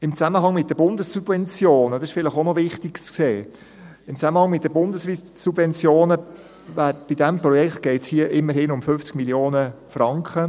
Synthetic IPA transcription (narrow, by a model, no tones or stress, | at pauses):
ɪmt͡saməɦɑŋmɪt̚dəb̥ʊndəsːub̥vɛnt͡sjoːnədɑɪʃfɪləχonɔvɪχtɪkt͡skseː | ɪmt͡saməhɑŋmɪt̚dəbʊndəsvi | subvɛnt͡sjoːnə | væːb̥idɛmprɔjɛkχt̪̚ɡ̥ɛɪtshiəʔɪmːəɾhɪnʊmfʏft͡sɡmiljoːnəfrɑŋkχə